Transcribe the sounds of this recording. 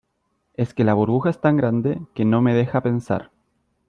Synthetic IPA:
e̞ske̞laβuɾβuxaest̪aŋɡɾand̪eke̞no̞me̞ðe̞xape̞nsa̰ɾ

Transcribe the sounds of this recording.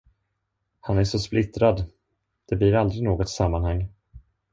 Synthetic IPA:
hanæʂɔsplɪt̪ɾad̪ | d̪̥ɛblɪɾald̪ɾɪnoːɡɔt̪samːanhaŋː

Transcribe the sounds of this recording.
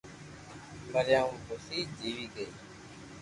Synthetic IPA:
məɾjãːũːbʊsiːd͡ʒiːʋiːɡəiː

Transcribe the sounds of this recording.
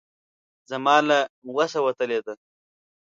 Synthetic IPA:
zɐmɑːlawasawɐt̪əled̪a

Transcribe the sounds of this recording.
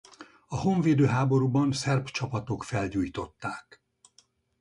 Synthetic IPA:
ɒɦo̞ɱveːd̪øːɦaːbo̞ɾuːbɒnsɛrpt͡ʃɒpɒt̪o̞kfɛlɟuːjt̪o̞t̪ːaːk

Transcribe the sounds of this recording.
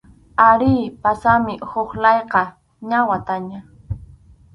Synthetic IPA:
aɾiːpasamɪhoχlɑjqɑ | ɲawat̪aɲa

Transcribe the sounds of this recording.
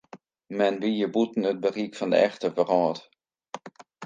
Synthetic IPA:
mɛnʋijəbutn̩ət̚bərikfɔndə̰ɛxtəvərɔːt

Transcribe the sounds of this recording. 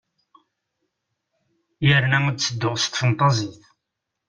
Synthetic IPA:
jəɾnæot͡sːəd̪ːʊʁst̪fənt̪ˤɑziθ

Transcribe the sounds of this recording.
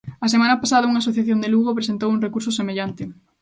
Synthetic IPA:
asemanɐpasaðɐuŋasoθjaθjond̪eluɣopɾesent̪owuŋrekuɾs̬osemeʎant̪ɪ

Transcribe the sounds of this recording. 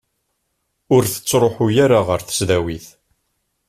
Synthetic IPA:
ʊɾθə̥t͡sːɾˤoħujaɾaʁəɾθə̥sðæwiθ

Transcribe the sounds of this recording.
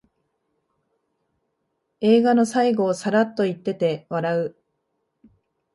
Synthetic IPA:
e̞ːɡano̞saiɡo̞ːsaɾat̪ːo̞it̪ːe̞t̪e̞βaɾaɯ̟

